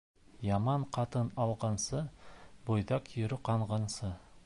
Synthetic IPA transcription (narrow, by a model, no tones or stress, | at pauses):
jɑmɑɴqʰɑt̪ɤnɑlˠʁɑnsɤbojðɑqjɵ̆ɾɘqɑɴʁɑnsɤ